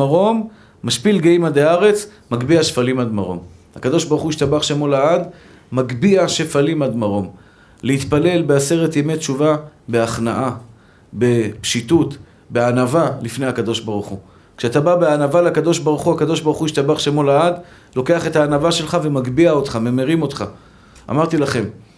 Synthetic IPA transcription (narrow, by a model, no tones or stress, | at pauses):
aʁo̞mː | aʃpilɡeimad̪eaʁe̞t͡s | maɡbiaʃfalimad̪maʁo̞̰m | ha̰kad̪o̞ʃbaʁuχuiʃt̪abaχʃemolaad̪ | maɡbiaʃefalimad̪maʁo̞m | leit̪pale̞lbease̞ʁe̞t̪jemett͡ʃuvabeaχnaʔa | be̞pʃit̪ut̪ | beanavalifne̞jhakad̪o̞ʃbaʁuχu | kʃeat̪ababeanavaleakad̪o̞ʃbaʁuχuakad̪o̞ʃbaʁuχuiʃt̪abaχʃemolaad | lo̞ke̞aχe̞t̪haːnavaʃe̞lχave̞maɡbiao̞t̪χame̞meʁimo̞t̪χa | a̰maʁt̪ilaχe̞m